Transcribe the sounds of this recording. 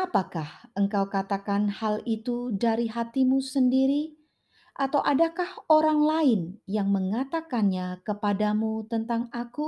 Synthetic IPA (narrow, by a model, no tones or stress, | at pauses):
apakahəŋkawkat̪akanhalit̪udaɾiɦat̪imusəndiɾi | ʔat̪awʔadakahoɾaŋlaɪnjaŋməŋat̪akanɲakəpadamut̪ənt̪aŋaku